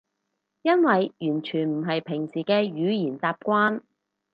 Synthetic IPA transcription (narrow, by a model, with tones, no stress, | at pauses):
jɐ˥nwɐ˨jjyː˨˩nt͡ʃʰyː˨˩nm̩˨˩ɦɐ˨jpʰɪ˨˩ŋsiː˨˩kɛː˧jyː˨˧jiː˨˩nt͡saː˧p̚kʷaː˥n